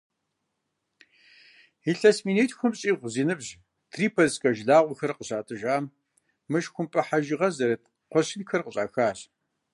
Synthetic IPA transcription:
iɬɐsmiːneːtxʷʊmɕʼiːʁʷziːnɨbʑ | tʰriːpʰɐskʼɐʒɮaːʁʷʊxɐrqəɕaːtʼɨʒaːm | mɨʃxʷʊmpʼɐħaʒɪʁɐzɐɾɐt | qʷɔɕɪnxɐrqəɕʼa̰ːxaːɕ

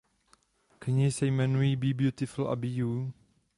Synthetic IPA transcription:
kʰɛnisemɛ̃nwibibjut̪ɪfəla̰biju

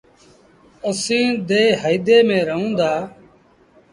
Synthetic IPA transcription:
əsĩːd̪eːɦəjd̪eːmẽːɾəɦũːd̪aː

